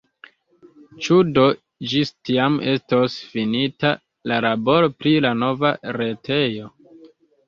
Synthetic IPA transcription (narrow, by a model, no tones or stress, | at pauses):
t͡ʃudo̞ | d͡ʒistiame̞stosfinita | lalabo̞ɾopɾilano̞vaɾe̞tʰe̞jo̞